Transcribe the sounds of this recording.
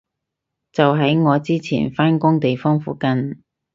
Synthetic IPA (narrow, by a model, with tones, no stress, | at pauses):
t͡sɐ˨wɦɐ˨˥jŋɔː˨˧t͡siː˥t͡sʰḭː˨˩nfaː˥nkʊ˥ŋt̪e˨jfɔː˥ŋfṵː˨˥kɐ˨n